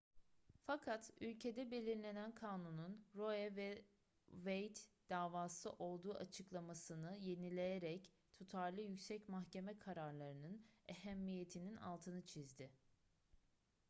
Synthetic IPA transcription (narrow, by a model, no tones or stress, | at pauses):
fakʰat̪ylʲcʰe̞d̪ɛbe̞lʲiɾlʲe̞nænkʰaːnununɾo̞ɛvɛ | vejt̪d̪̥aːvaːsɯʔo̞lˠd̪uːʔat͡ʃʰɯklˠamasɯnɯje̞nilʲe̞jeɾɛc | t̪ʰut̪ʰaɾlˠɯjycsɛcmaxce̞mɛkʰaɾaɾlˠaɾɯnɯneɦæmːije̞t̪ʰinina̰lˠt̪ʰɯnɯt͡ʃʰizd̪ɪ